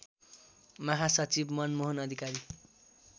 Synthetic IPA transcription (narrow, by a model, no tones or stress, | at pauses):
mʌɦasʌt͡sibmʌnmoɦʌnʌd̪ʱikaɾi